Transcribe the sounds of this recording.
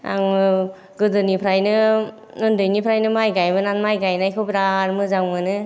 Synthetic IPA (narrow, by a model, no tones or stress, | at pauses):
a̰ŋɯ | ɡɯdɯnipʰɾajnɯ | ɯndɯjnipʰɾajnɯmajɡajbɯnanmajɡajnajkʰɯwpiɾaɾmɯzaŋmɯnɯ